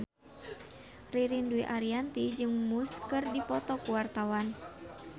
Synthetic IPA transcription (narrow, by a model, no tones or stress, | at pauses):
riɾinduiʔaɾiant̪id͡ʒɨŋmuskɨrdipɔt̪ɔkuwart̪awan